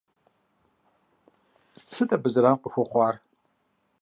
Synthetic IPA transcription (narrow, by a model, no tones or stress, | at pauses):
sɨtʼɐbɨzɾaːmqʷʼəxʷɔχʷɑːr